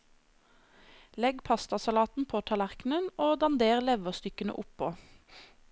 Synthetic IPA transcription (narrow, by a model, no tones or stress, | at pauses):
lɛɡpʰɑst̪ɑsɑlɑːt̪n̩pʰoːt̪ʰɑlæʁknənoːd̪ɑnd̪eːʁlɛʋəʁst̪ʏkənə̰ʔʊpːoː